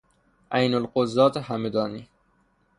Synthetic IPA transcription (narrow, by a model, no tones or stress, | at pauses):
ʔæjnolqozɒːt̪hæmed̪ɒːniː